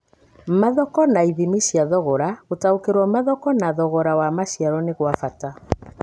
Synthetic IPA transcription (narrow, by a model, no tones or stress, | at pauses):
maðɔkɔnaiðimiʃjaðɔɣɔɾaotaokeɾwɔmaðɔkɔnaðɔɣɔɾawamaʃiaɾɔneɣwafata